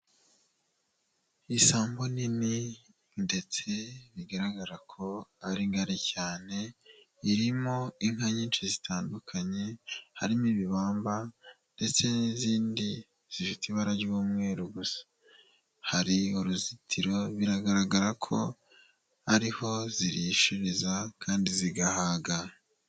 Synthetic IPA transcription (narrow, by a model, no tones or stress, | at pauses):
isaːmbo̞nini | nde̞t͡se̞βiɡaɾaɡaɾakʰo̞aɾiŋɡaɾicaːne̞ | iɾimoiŋ̥haɲiːnʃizitʰaːndukʰaɲe̞haɾimiβiβaːmbande̞t͡se̞niziːndi | z̥iʃutiβaɾaɾɟuumŋe̞ːɾuɡusḁ | haɾiuɾuzitʰiɾo̞βiɾaɡaɾaɡaɾakʰo̞̰ | aɾiho̞ziɾiʃuɾizakʰaːndiziɡahaːɡa